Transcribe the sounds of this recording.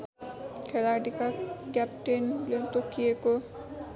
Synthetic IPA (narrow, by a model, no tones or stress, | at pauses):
kʰɛlaɹdikaɡɛp̚ʈenlɔnt̪okʰieko